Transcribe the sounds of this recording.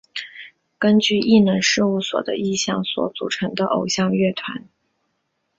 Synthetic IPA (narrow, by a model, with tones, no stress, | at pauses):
kə˥nt͡ɕy˥˧ʔi˥˩nə˧˥nʂɻ̩˥˧u˥˩swɔ̰˨˩d̪ə̰˦i˥˧ɕjɑ˥˩ŋswɔ̰˧˥t͡su˨˩ʈ͡ʂʰɤ˧˥ŋd̪ə˧ʔo˨˩ʊɕjɑ˥˧ŋɥɛ˥˩t̪ʰwa̰˧˥n